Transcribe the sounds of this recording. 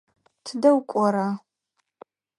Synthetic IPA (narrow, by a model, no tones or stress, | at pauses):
tʰɨdɐwkʷʼɔɾaː